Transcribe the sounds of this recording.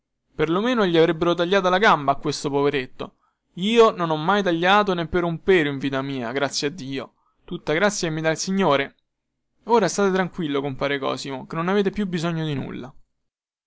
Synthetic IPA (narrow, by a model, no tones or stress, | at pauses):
perlomeːnoʎːiavɾɛbːeɾot̪̬aʎːaːt̪̬alaɡambaːkːwest̪opoveɾet̪ːo̰ | iːononɔmːajt̪̬aʎːaːt̪onepːeɾumpeːɾoiɱviːt̪amiːa̰ɡɾat̪sːjad̪ːiːo | t̪ut̪ːaɡɾat̪sːjamid̪alsiɲːoːɾe | oːɾast̪aːt̪et̪ɾaŋkwilːokompaːɾekɔ̰ːsimokenːonaveːt̪epjubːizoɲːod̪inṵlːa